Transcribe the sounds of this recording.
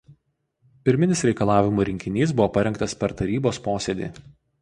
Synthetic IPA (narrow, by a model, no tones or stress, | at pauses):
pʲɪɾʲmʲɪnʲɪsɾʲɛɪkɐlˠɑːʋʲɪmuːɾʲɪŋʲkʲɪnʲiːs̬bʊʋoːpɐɾʲɛŋkt̪ɐspʲɛɾt̪ɐɾʲiːboːspoːsʲed̪ʲḭː